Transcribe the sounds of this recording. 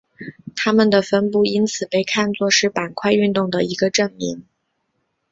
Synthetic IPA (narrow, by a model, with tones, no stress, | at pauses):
t̪ʰa˥mə˨nd̪ə˩fə˥npu˥˩i˥nt͡sʰɹ̩˨˩pe˥˧ɪkʰa˥˧nt͡swɔ˥˧ʂɻ̩˥˩pa˨˩nkʰwa˥˧ɪy˥˧nt̪ʊ˥˩ŋd̪ə˩i˧˥ɡə˧ʈ͡ʂə˥˩ŋmḭ˧˥ŋ